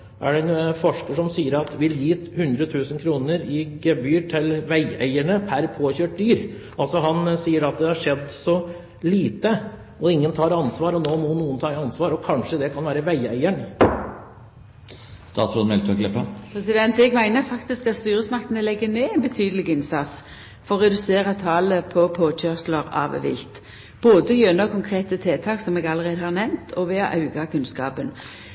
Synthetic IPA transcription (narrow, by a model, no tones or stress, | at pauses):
ʔæ̰ɖɛnfɔʂkəʂɔmsiːəɾɑt̪ʋɪljiːhʉnd̪ɾət̪ʰʉːsənkʰɾuːnəɾɪɡɛbyːʈʰɪlʋæɪæ̰ɪæɳəpʰæɾpʰoːçøːʈ̚d̪yːɾ | ʔɑlsɔɦɑnsiːəɾɑt̪̚d̪ɛhɑʂɛd̪ːsɔ | liːt̪ə | ɔɪŋːənt̪ʰɑːɾɑnsʋɑːɾɔnoːmɔnuːənt̪ʰɑːɪɑnsʋɑːɾɔkʰɑnʂəd̪ɛkʰɑnʋæːɾəʋæɪæ̰ɪəɳ | t̪ɑ̰ːt̪sɔnmɛlt̪ʰɔɡlɛpɑpʰɾɛsɪd̪ɛnt̪ɛɡmæɪnəʁfɑkt̪ɪskɑt̪st̪yːɾəsmɑkt̪ənəlɛɡːəneːæɪnbət̪ʰyːd̪əlɪɡɪnsɑt̪s | fɔʁʁɛd̪ʉseːɾɑt̪ʰɑːləpʰɔpʰoːc͡çœʁsləʁɑ̰ːʋʋɪ̰lt̪ | b̥oːd̪əjønəɔkʰʊŋkʰʁeːt̪ət̪ʰeːt̪ʰɑːksɔmɛːɡɑlːəʁeːd̪əhɑʁnɛmt̪ʰɔʋɛːɔʔɑʉɡɑkʰʉnskɑ̰ːpən